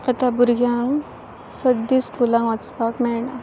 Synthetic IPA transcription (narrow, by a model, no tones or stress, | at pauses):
ət̪abuɾɡjaŋɡ | səd̪ːiskulãŋɡʋat͡spakmɛɭɳa